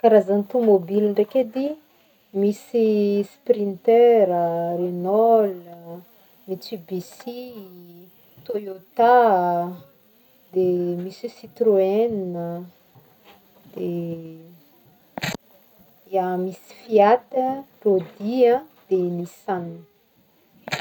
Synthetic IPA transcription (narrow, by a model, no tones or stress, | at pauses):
kaɾazanit̪umobiliɳɖ͡ʐeked̪i | misisprint̪ɛɾərenɔlə | mit͡sibisi | t̪ojot̪a | d̪emisisit̪roenə | d̪̥e | jamisi̥fiat̪ərod̪iãd̪̥emisan